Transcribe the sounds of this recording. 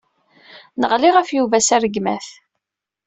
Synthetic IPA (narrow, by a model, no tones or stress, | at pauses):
nəʁliʁafjuvæsæɾəɡmæθ